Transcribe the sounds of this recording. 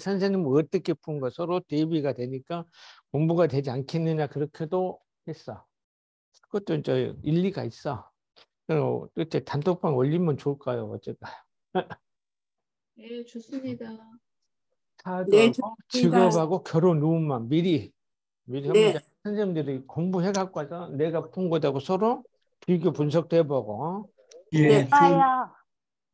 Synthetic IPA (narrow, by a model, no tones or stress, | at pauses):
sʰansʰeɲimɯɾʌt͈ʌkʰepʰunɡʌsʰʌɾotebiɡadwe̞ɲik͈akoŋbuɡadwe̞d͡ʑiankʰenːɯɲakɯɾʌkʰedo | he̞s͈ʌ | kʌt͈ont͡ɕʌiʎːiɡais͈ʌ | kɯʌ̰t͈et͡ɕ͈etantʰop͈ʰaŋʌʎːimjʌnt͡ɕoɭk͈ajoʌt͡ɕ͈ek͈ajo | net͡ɕos͈ɯɲida | sʰadt͡ɕɯɡʌbaɡokjʌɾonːumːanmiɾi | miɾiɦad͡ʑa | sʰɯnsʰendɯɾikoŋbuɦeɡak͈oasʰʌne̞ɡapʰoŋɡʌdaɡosʰʌɾom | piɡjopuns̬ʰʌk̚t͈webʌɡo | a